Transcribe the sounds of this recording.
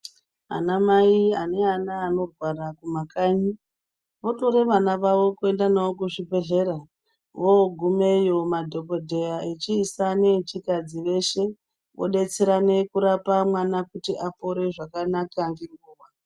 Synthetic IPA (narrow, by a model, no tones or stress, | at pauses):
a̰namaiane̞anaːno̞rwarakumakaɲi | ʋoto̞ɾe̞ʋanaʋaʋo̞kue̞ndanaokuʐibʱe̞ɮe̞ɾa | ʋoɡʱume̞jo̞madʱo̞ko̞dʱe̞jaet͡ʃiːsanet͡ʃikad͡ziʋe̞ʃe̞ | ʋo̞̰ɗe̞t͡seɾane̞kuɾapamwanakutiʔapo̞ɾe̞ʐakanakaŋɡeŋɡuːʋa